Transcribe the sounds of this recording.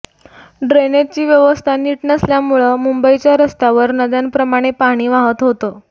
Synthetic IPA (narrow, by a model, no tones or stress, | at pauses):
ɖɾenet͡ɕiːʋjəʋəst̪ʰaniːʈnəsljamuɭəmumbəit͡ɕjaɾəst̪aʋəɾnəd̪anpɾəmaɽ̃epaɽ̃iːʋaɦət̪ɦot̪o